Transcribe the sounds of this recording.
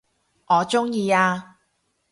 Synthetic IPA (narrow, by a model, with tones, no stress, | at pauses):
ŋɔː˨˧t͡sʊ˥ŋjiː˧aː˧